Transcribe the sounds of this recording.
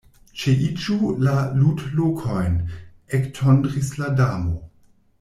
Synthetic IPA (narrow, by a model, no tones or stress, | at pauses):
t͡ʃeʔit͡ʃulaludlokʰo̞jn | ektʰondʁisladamo